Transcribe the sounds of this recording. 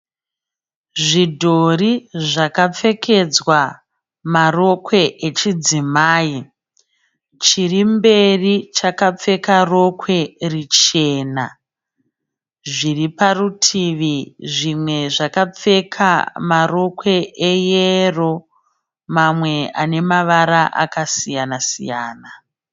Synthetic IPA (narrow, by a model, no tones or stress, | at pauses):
ʐidʱoriʐakap͡fe̞kʰe̞d͡zwa | maro̞kwe̞ʔet͡ʃid͡zimaːji | t͡ʃirimbe̞rit͡ʃakap͡fe̞karo̞kwe̞rit͡ʃe̞ːna | ʐiriparutʰiʋiʐimwe̞ʐakap͡fe̞kʰa̰maro̞kwe̞ʔejero̞ | mamwe̞a̰ne̞maʋaɾaʔa̰kasijanasḭja̰ːna